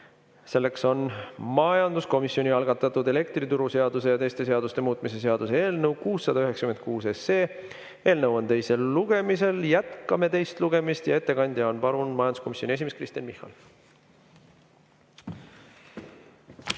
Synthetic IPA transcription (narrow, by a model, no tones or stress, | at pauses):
se̞lːe̞kso̞nmɑjɑnd̪̥usko̞misːio̞nʲiɑlɡ̥ɑt̪ːˑɑt̪ːˑud̪e̞le̞kt̪rit̪uɾuse̞ɑd̪̥use̞jɑt̪e̞jst̪e̞s̬e̞ɑd̪ust̪e̞muːt̪ˑmise̞s̬e̞ɑd̪̥usee̞ːlnəwkuːsːɑd̪ɑyɦeksɑ̥ymen̚kuːse̞se̞ː | e̞ːlnəwo̞nt̪e̞jse̞lːuɡ̥e̞mise̞ljæt̪kɑme̞t̪e̞jst̪luɡ̥e̞mist̪jɑe̞t̪ːe̞kɑnʲd̪̥ʲjɑonpɑɾunmɑjɑnd̪u̥sko̞misʲːonʲie̞s̬ʲimeskrist̪iɑnmihːɑ̰l